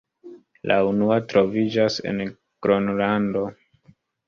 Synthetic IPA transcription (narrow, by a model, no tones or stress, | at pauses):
lʔaunuatɾo̞vid͡ʒase̞̰n | ɡ̥ɾo̞nlando̞